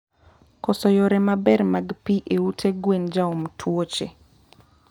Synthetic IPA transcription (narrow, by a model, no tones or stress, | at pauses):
kɔsɔjoɾɛmabɛɾmaɡpiʔeutʰeɡwend͡ʒaomtʰwot͡ʃḛ